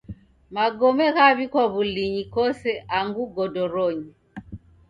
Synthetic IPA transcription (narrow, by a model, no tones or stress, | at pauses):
maɡɔmɛɣaβikwaβuliɲikɔsɛʔaŋɡuɡɔdɔɾɔɲi